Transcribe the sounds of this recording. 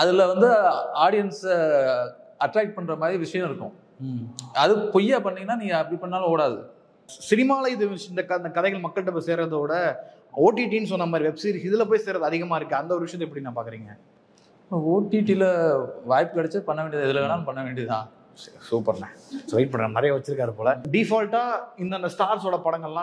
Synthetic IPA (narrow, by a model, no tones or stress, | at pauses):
ɐðɪlɐʋɐnd̪ɯaːɽɪjɐns | ɐʈɾaːk̚pɐɳːɾɐmaːd̪ɾiʋɪʂɐjɐ̃mɪɾɯkːʊ̰̃ | ɐðɯpɔjːaːpɐɳːiːɡɐnːaːnĩːŋɡɐɐpːɐɽipɐɳːaːl̃oːɽaːðɯ | sɪnɪmaːlɐɪðɯɪnd̪ɐkɐnd̪ɐkɐðɛɪɣɐɭmɐkːɐɭʈːɐp̬oːseːɾɐðoːɽɐ | oːʈːiʈiːnsɔnːɐmaːd̪ɾiʋɛbsiɾɪðɪlɐp̬oːjseːɾɐðɯɐðɪɣɐmaːɪɾɯkːɯɐnd̪ɐɔɾɯʋɪʂɐjɐ̃t̪ːɛpːɐɽinaːpaːɾkɯɾiːŋɡɐ | oːʈːiʈilɐʋaːjpːɯkɐɽɐt͡ʃːɐpɐɳːɐʋeːɳɖiɐðɪðɪlɐʋeːnaːlɯ̃pɐɳːɐʋeːɳɖiðɯt̪ãː | suːpːɐɾnɐ̃sʋɐɪʈ̚pɐɳɐnɛɾɐjaʋɐt͡ʃːɪɾɯkːaːðɯpoːlɐɖɪfaːlʈaːɪnd̪ɐnd̪ɐsʈaːɾsoːɽɐpɐɽɐŋɡɐɭlãː